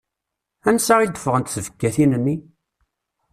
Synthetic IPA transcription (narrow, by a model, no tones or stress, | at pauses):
ænsaʁid̪əfəʁənt̪θəvə̥kːæθinənːi